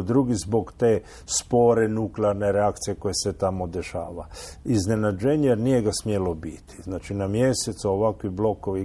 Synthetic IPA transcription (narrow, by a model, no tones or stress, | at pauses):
d̪ɾuɡizbo̞ɡt̪e | spo̞ɾenukleaɾneɾeakt̪sije̞ko̞jeset̪amo̞d̪e̞ʃaːʋaizne̞nad͡ʒeɲenije̞ɡasmjelo̞bit̪i̥znaːt͡ʃinamjeset̪saoʋakʋiblo̞koʋi